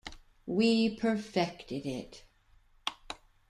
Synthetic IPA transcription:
wipʰə˞fɛktɪɾɪt

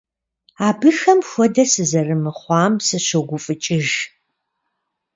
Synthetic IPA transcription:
aːbɨxɐmxʷɔdɐsɨzɐrɨmɨχʷɑːmsɨɕoɡʷʊfʼɨt͡ʃʼɪʒ

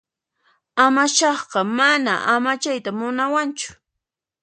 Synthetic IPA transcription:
amaʃɑχɢɑmana̰ʔamat͡ʃajt̪amʊnawant͡ʃʊ̥

